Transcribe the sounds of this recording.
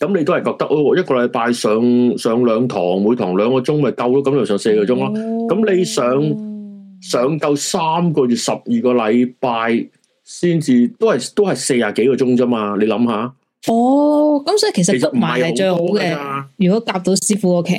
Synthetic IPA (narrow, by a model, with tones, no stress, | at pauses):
kɐ˨˧mle˧t̪whɐ˨jkɔː˧k̚t̪ɐ˥k̚ʔɔː˧˨jɐ˥t̚kɔː˧lɐ˨˧jpaː˧jsœː˨˧ŋsœː˨˧ŋlœː˨˧ŋt̪ʰɔ̰ː˨˩ŋwu˨˧jt̪ʰɔː˨˩ŋlœː˨˧ŋkɔː˧t͡sʊ˥ŋmɐ˨jkɐ˧wloː˥kɐ˦mne˧jsœː˨˧˥se˧a˧kɔː˧t͡sʊ˥ŋlaː˥kɐ˨˥mle˨˧jsœː˨˧ŋ | sœː˨˧ŋkɐ˧wsaː˥mkɔː˧ɥyː˨t̚sɐ˨p̚jiː˨˩kɔː˧lɐ˨˧jpaː˧j | siː˥nt͡siː˧t̪o˥hɐ˨jt̪o˥whɐ˨jse˧jaː˨ke˨˥jkɔː˧t͡sʊ˥ŋt͡sɐː˥maː˧le˨˧jlɐ˨˧˥mhaː˨˧ | ɔː˨˧kɐ˨˦msɔː˨˥i˨kʰe˨˩jsɐ˨e˨˩sɐ˥˩t̚m̩˨˩˨hɐ˨jɐ˨o˨t͡ʃɵ˧ho˨˦kɛ˧aː˧jyː˨kɔ˨˥kaː˧p̚t̪o˨˥wsiː˥fuː˨˥oː˧kʰḛ˨˩